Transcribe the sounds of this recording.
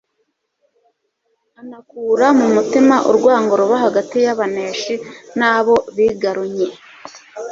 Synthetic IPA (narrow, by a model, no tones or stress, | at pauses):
anakuːɾamumutimaʔṵɾɡwaːŋɡo̞ɾuβaɦaɡatijaβane̞ːʃinaːβo̞βiːɡaɾuɲe